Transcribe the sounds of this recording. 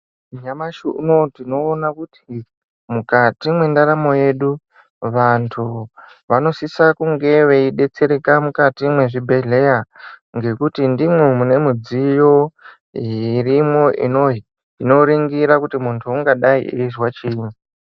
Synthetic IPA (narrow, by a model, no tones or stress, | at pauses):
ɲamaʃunotino̞ːnakuti | mukatimwe̞ndaɾamo̞je̞ɗu | ʋantʰu | ʋano̞sisakuŋɡe̞ʋe̞iɗe̞t͡se̞ɾekamukatimwe̞ʐibʱe̞ɮe̞jaŋɡe̞kutindimwe̞mune̞mud͡zijo̞ | irimwo̞ʔḭnoɦi | ino̞ɾiŋɡiɾakutimuntʰuuŋɡaɗaḭʔezwat͡ʃini